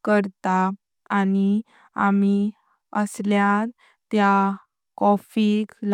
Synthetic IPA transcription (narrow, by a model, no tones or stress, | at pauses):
kəɾt̪aː | ni | ami | əsljat̪ | t̪ja | kɔfikl